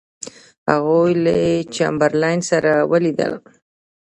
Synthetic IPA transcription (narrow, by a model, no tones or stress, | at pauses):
ha̰ɣujlat͡ʃa̰mbəɾlajnsaɾawəlid̪ə̰l